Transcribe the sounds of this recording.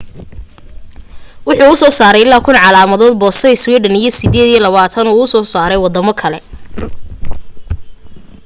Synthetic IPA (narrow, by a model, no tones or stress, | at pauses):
wʊħuːʊsɔːsaːɾɛjɪlːaːkʰʊnʕɑlaːmɐðɔːd̪̚bɔːsɛjswiːɖɐnɪjɞsɪðeːd̪ijɔlɐβaːt̪ʰɐnɔːʊsɔːsaːɾɛjwɑd̪ɐmɔkʰɐlɛ